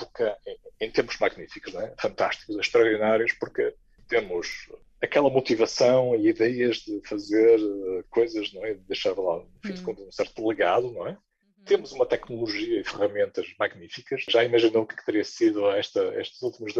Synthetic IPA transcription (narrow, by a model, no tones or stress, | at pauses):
puɾkɐ̃ẽt̪ẽmpuʒ̥maɣnifiku̥ʒñɛfɐ̃nt̪aʃt̪i̥kuzʃt̪ɾɐɔɾðinaɾjuʃpuɾkɨ | t̪emuʃ | ɐkɛlˠɐmut̪ivɐsɐ̃w̃iiðɛjɐʒðɨfɐzeɾkojzɐʒñɛiðɨðejʃaɾlˠã | fĩkõnd̪ũsɛɾt̪ulˠɨɣaðunɐ̃w̃ɛ | t̪emuzumɐt̪ɛknulˠuʒiɐifɨʁɐmẽnt̪ɐʃmaɣnifikɐʃʒaimɐʒinɐwukɛ̥k̚t̪ɨɾiɐsiðuɛʃt̪ɐɛ̰ʃt̪ɐzulˠt̪imɐʒð